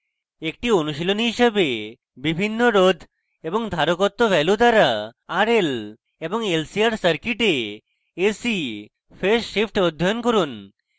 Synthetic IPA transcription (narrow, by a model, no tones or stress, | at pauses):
ek̚ʈionuʃiloniɦiʃəbe | bibʱinːoɾod̪ʱ | eboŋd̪ʱaɾokot̪ːobʱɛlud̪aɾaaɾel | eboŋelsiaɾsəɾkiʈe | esi | fʰesːipʰʈod̪ʱːɔjonkoɾun